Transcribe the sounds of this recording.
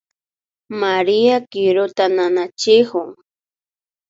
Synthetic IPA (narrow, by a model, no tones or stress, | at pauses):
maɾiakɪɾʊt̪ananat͡ʃɪhʊŋ